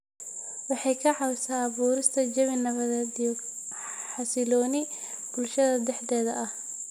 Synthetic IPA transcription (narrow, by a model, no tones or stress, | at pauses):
wɑħɑjkʰɐʕɑwsaːbuːɾɪst̪ʰɐd͡ʒɐβɪnɐβɐðɛd̪ij | ħɑsɪlɔːnɪb̥ʊlʃɐðɐd̪ɛħd̪ɛːðɐʔɐh